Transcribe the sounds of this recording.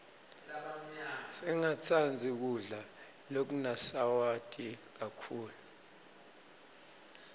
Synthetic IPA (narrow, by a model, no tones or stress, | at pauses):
sɛŋat͡sʰand͡zʱik̬uɮa | lok̬unasawatʼik̬akʰuːlu